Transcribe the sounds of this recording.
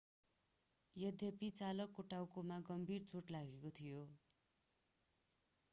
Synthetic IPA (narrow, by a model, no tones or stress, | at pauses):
jʌd̪ʱjʌpit͡salʌkːoʈawkomaɡʌmbʱirt͡soʈlaɡekot̪ʰijo